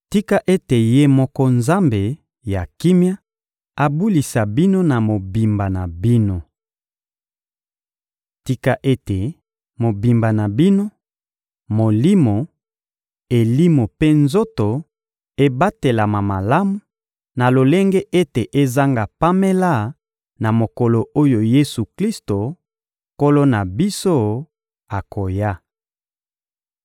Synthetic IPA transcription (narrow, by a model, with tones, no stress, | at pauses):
ti˦ka˦ʔe˦te˨je˦mɔ˦kɔ˦nza˦mbe˨ | ja˨ki˦mja˦ | a˨bu˦li˨sa˨bi˦no˦na˨mo˨bi˨mba˨na˨bi˦no˦ | ti˦ka˦ʔe˦te˨ | mo˨bi˨mba˨na˨bi˦no˦ | mo˨li˦mo˨ | e˨li˦mo˨pe˦nzo˦to˨ | e˦ba˦te˨la˨ma˨ma˨la˦mu˨ | na˨lo˨le˦ŋɡe˦ʔe˦te˨ʔe˦za˦ŋɡa˨pa˦me˦la˦ | na˨mo˨ko˨lo˨o˦jo˨je˦su˨kli˦sto˨ | ko˦lo˦na˨bi˦so˦ | a˨ko˨ja˦